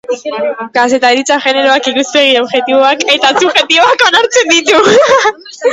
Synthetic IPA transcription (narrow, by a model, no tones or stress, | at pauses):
kaset̪aðɾit͡saxeneɾoakiɣuspeɣioβxe̞t̪iβoaket̪at͡suxet̪iβoakonaɾt͡send̪it̪u